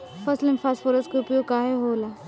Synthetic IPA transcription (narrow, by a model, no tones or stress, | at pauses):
fɐslənfʰaːsfoːɾəskeʊpjoːɡkaːɦeɦoːla